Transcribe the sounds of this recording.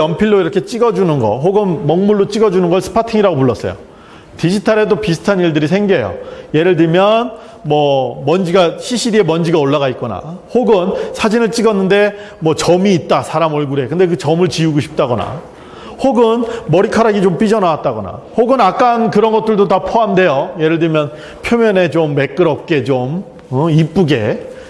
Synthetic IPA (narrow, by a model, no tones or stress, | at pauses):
ʌmpʰiɭːoiɾʌkʰe̞t͡ɕ͈iɡʌd͡ʑunɯnɡʌ̰ɦoɡɯnmʌŋmuɭːot͡ɕ͈iɡʌd͡ʑunɯnɡʌɭsʰɯ̥pʰatʰiŋiɾaɡopuɭːʌs͈ʌ̰jo̰ | tid͡ʑitʰaɾedopisʰɯ̥tʰaniɭdɯɾisʰe̞ŋɡejo̰je̞ɾɯɭdɯmjʌn | mwʌmʌnd͡ʑiɡaɕʰiɕʰidie̞mʌnd͡ʑiɡaoɭːaɣait̚k͈ʌna̰hoɡɯnsʰad͡ʑinɯɭt͡ɕ͈iɡʌnːɯnde̞ | mwʌt͡ɕʌmiːt̚t͈asʰaɾamʌɭɡuɾekɯnde̞k̬ɯt͡ɕʌmɯɭt͡ɕiuɡoɕʰi̥p̚t͈aɡʌna̰ | hoɡɯnmʌɾikʰaɾaɡit͡ɕomp͈id͡ʑʌnawat̚t͈aɡʌna̰hoɡɯnak͈ankɯɾʌnɡʌt͈ɯɭdotapʰoamde̞joje̞ɾɯɭdɯmjʌn | pʰjomjʌne̞t͡ɕomːe̞k͈ɯɾʌp̚k͈e̞t͡ɕom | ɯip͈uɡe̞